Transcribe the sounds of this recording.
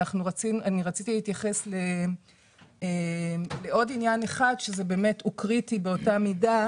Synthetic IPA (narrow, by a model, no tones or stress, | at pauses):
aχnuʁat͡sinuʔaniʁat͡sit̪ileitjaχe̞sle̞ | ele̞ʔo̞dinjaneχadʃeze̞be̞ːme̞tukʁitibe̞o̞tamida